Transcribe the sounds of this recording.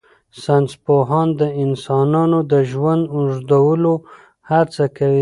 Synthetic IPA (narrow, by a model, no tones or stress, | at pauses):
sanspoɦɑnd̪əɪnsɑnɑnod̪əʒwand̪ʊʐd̪awəlo | haɾt͡sakawi